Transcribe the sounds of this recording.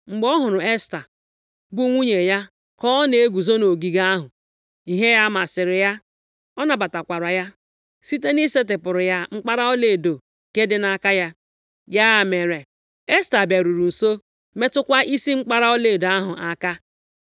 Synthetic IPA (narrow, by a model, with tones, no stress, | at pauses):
ŋ͡m̩˨ɡ͡bɔ˦ɦʊ˨ɾʊ˨e˦sta˨ | bu˦ŋʷu˦ɲe˨ja˦ | kɔ˦ne˨e˦ɡʷu˨zo˦no˨ɡi˨ɡa˦a˦ɦʊ˨ | i˨ɦe˦ja˦ma˨sɪ˨ɾɪ˨ja˦ | ɔ˦na˨ba˨ta˨kʷa˨ɾa˨ja˦ | si˦t̬e˦ni˦se˦t̬ɪ˨pʊ˨ɾʊ˨ja˦ŋ͡m̩˦k͡pa˦ɾa˦ɔ˦le˨do˨ | ke˦dɪ˦na˦ka˦ja˦ | ja˦˨me˨ɾe˨ | e˦sta˨ba˨ɾu˨ɾu˨n̩˨so˦ | me˦tʊ˦kʷa˦ʔi˦si˦ŋ͡m̩˦k͡pa˦ɾa˦ɔ˦le˨do˨a˦ɦʊ˨ʔa˦ka˦